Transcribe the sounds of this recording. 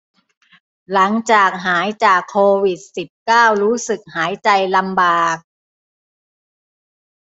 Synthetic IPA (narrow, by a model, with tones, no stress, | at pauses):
la˩˦ŋt͡ɕaː˨˩k̚ɦaː˩˦jt͡ɕaː˨˩kʰːoː˧wi˨˩t̪̚si˨˩p̚kaː˥˩wɾuː˦˥sɯ˨˩k̚haː˩˦jt͡ɕa˧jla˧mbaː˨˩k̚